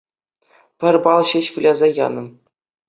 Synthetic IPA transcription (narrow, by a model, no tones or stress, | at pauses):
pʲɘ̆rʲbɑlˠɕɘɕʋɯlʲɑzɑjɑ̰nɤ̆m